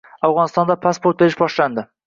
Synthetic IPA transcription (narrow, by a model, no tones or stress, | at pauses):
awʁɒnɪst̪ɒnd̪apʰaspot̪̚beɾɪʃbɒʃland̪ɪ